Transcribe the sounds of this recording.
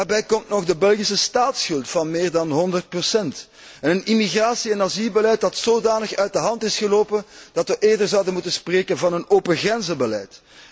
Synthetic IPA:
arbɛjkɔmtnɔɣdəbɛlˠɣisəstaːtsxɵlˠtfɑnmeːrdɑnɦɔndərt̚prosɛnt | ɛnənimiɣraːsiɛnazilˠbəlɛjt̚dɑtsoːdaːnəxœɥ̚dəɦɑntɪsxəloːpənd̥ɑtʋəʔeːrdərzɑwdənmutənspreːkənvɑnənoːpəɣrɛnzəbəlɛjt

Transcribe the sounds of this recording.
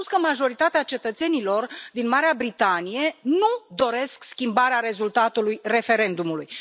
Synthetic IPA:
uskəmaʒo̞ɾit̪at̪eat͡ʃe̞t̪ət̪se̞nilo̞rd̪inmaɾeabɾit̪anije̞nud̪o̞ɾe̞skskʲimbaɾeaɾe̞zult̪at̪ulujre̞fe̞ɾe̞nd̪umuluj

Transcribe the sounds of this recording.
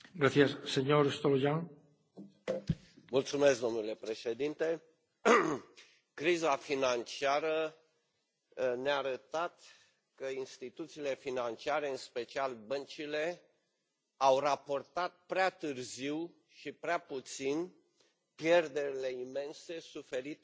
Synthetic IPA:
ɡɾaθjasːeɲoɾest̪olojaŋ | mult̪sume̞sk̚d̪omnule̞pɾe̞ʃe̞d̪int̪e̞ | kɾizafinant͡ʃiaɾə | neaːɾət̪at̪ | kəinst̪it̪ut̪siːle̞finant͡ʃiaɾe̞ɨnspe̞t͡ʃialbənt͡ʃile̞ | awrapo̞rt̪at̪̚pɾeat̪ɨrziw | ʃipɾeaput̪sin | pje̞rd̪e̞ɾile̞ime̞nse̞sufe̞ɾit̪

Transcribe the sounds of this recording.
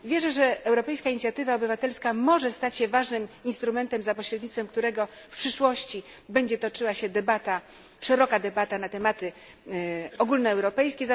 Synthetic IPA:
vʲjɛʐɛʐɛɛwɾɔpɛjskaiɲit̪sʲjat̪ɘvaɔbɘvat̪ɛlskamɔʐɛst̪at͡ɕɕɛvaʐnɘminst̪ɾumɛnt̪ɛmzapɔɕɾɛd̪ɲit̪fɛmk̚t̪uɾɛɡɔ | fpʂɘʂwɔɕt͡ɕi | bɛɲd͡ʑɛt̪ɔt͡ʂɘwaɕɛd̪ɛbat̪a | ʂɛɾɔkad̪ɛbat̪anat̪ɛmat̪ɘ | ɔɡulnɔɛwɾɔpɛjskʲɛza

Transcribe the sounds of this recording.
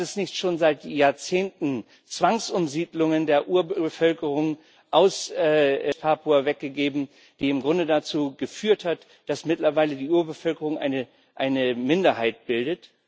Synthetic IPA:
tɛsnɪçtʃoːnzaɪtjaːɐt͡seːntn̩ | t͡sv̥aŋsʔʊmziːdlʊŋəndeːɐʔuːɐbbəfœlkəʁʊŋ | ʔaʊsɛːpʰaːpuavɛk̚ɡ̥əɡeːbm̩ | d̥iːɪmɡʁʊndədat͡suːɡəfyːɐthat | d̥asmɪtlɐvaɪlədiːʔuːɐbəfœlkəʁʊŋʔa̰ɪnə | ʔaɪnəmɪndɐhaɪt̚b̥ɪldət

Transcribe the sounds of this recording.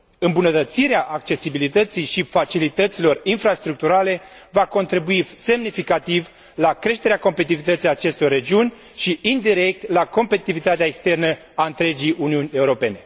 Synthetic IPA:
ɨmbunət̪ət̪siɾeaʔakt͡ʃe̞sibilit̪ət̪sijʃifat͡ʃilit̪ət̪silo̞rinfɾast̪ɾuk̚t̪uɾale̞ | vako̞nt̪ɾibuise̞mnifikat̪iv | lakɾe̞ʃt̪e̞ɾeako̞mpet̪ivit̪ət̪sijat͡ʃe̞st̪orːe̞d͡ʒiunʲ | ʃiind̪iɾe̞k̚t̪lako̞mpet̪it̪ivit̪at̪eaekst̪e̞rnə | aɨnt̪ɾe̞d͡ʒijʔuniunʲe̞uɾo̞pe̞ne̞

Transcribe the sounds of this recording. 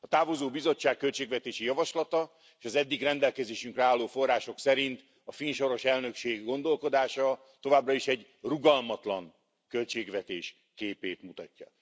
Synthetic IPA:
ɒt̪aːvozoːbizo̞t͡ʃːaːkkːø̞lt͡ʃeːɡvɛt̪eːʃijɒvɒʃlɒt̪ɒ | eːʃɒzɛd̪ːiɡrɛnd̪ɛlkɛzeːʃyŋkrɛaːlːoːfo̞rːaːʃo̞ksɛɾint̪ | ɒfinʃo̞ɾo̞ʃɛlnø̞kʃeːɡːo̞nd̪o̞lko̞d̪aːʃɒ | t̪o̞vaːbrɒiʃɛɟ | ruɡɒlmɒt̪lɒŋ | kø̞lt͡ʃeːɡʋɛt̪eːʃ | keːpeːt̪mut̪ɒ̰cːɒ̰

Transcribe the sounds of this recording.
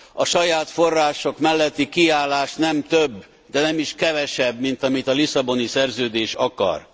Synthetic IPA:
ɒʃɒjaːt̪fo̞rːaːʃo̞kmɛlːɛt̪ːikiaːlːaːʃnɛmt̪øbː | d̪ɛnɛmiʃkɛvɛʃɛbmint̪ɒmit̪ɒlisɒbo̞nisɛrzøːd̪eːʃɒkɒ̰r

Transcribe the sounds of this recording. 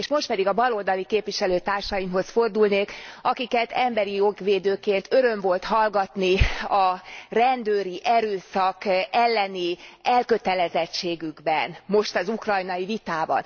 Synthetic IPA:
eʃmo̞ʃt̪pɛd̪iɡɒbɒlold̪ɒlikeːpʋiʃɛløːt̪aːrʃɒjimɦo̞sfo̞rd̪ulneːkɒkikɛt̪ɛmbɛɾijoɡʋeːd̪øːkeːnt̪ø̞ɾøɱvo̞lt̪hɒlɡɒt̪niɒrɛnd̪øːɾiʔɛɾøːsɒkɛlːɛniɛlkø̞t̪ɛlɛzɛt͡ʃːeːɡyɡbɛnmo̞ʃt̪ɒzukrɒjnɒjivit̪aːbɒ̰n

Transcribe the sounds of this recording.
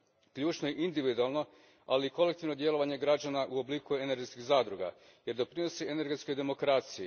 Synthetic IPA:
kʎuːt͡ʃnoeʔind̪iʋid̪ualˠno̞ | aliːko̞lek̚t̪iʋnod̪je̞lo̞ʋaɲe̞ɡɾad͡ʑanaʔuobliːkue̞neɾɡeskiɣzaːd̪ɾuɡa̰ | je̞ɾd̪o̞pɾino̞siene̞ɾɡet̪sko̞jd̪e̞mo̞kɾaːt̪siji

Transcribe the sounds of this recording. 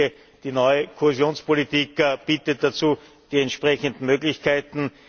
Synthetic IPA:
ə | d̥iːnɔʏəkʰohezjoːnspʰolitiːkːb̥iːtət̚d̥at͡suː | d̥iːɛntʃpʁɛçəndn̩møːɡlɪçkʰaɪtn̩

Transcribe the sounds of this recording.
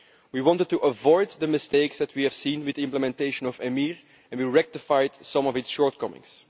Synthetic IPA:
wiwɑ̃ntəd̚tːuʔəvɔɪd̪ːəmɪsteɪksd̪ɛtwiɛv̥sĩːnwɪdiɪ̃mpləmɛ̃nteɪʃə̃nɔvɛmiːɹ | ɛ̃nwiɹɛk̚tɪfajdsʌ̃mɔvɪtsʃɔːɹt̚kʌmɪ̰̃ŋs

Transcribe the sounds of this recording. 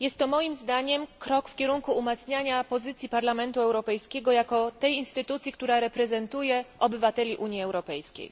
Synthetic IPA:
jɛst̪ːɔmɔjimzd̪aɲɛmkɾɔkfkʲɛɾuŋkuːmat̪sɲaɲapɔzɘt̪sʲjipaɾlamɛnt̪uɛwɾɔpɛjskʲɛɡɔjakɔt̪ɛjinst̪ɘt̪ut̪sʲjikt̪uɾaɾɛpɾɛzɛnt̪ujɛʔɔbɘvat̪ɛlʲiʔuɲjiɛwɾɔpɛjskʲḛj

